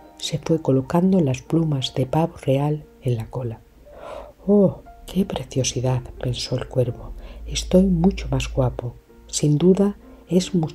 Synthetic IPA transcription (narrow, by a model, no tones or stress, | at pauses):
se̞fwe̞ko̞lo̞kand̪olasplumazðe̞paβore̞al | e̞nlakola | okʰe̞pɾe̞θjo̞siðaðpe̞nsoelkwe̞ɾβoest̪o̞jmut͡ʃomazɣwapo | sind̪uða | e̞zmu